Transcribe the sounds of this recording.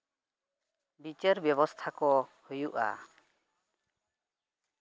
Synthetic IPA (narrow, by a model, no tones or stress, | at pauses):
bit͡ʃəɾbjɔbɔst̪ʰakɔhujuʔa̰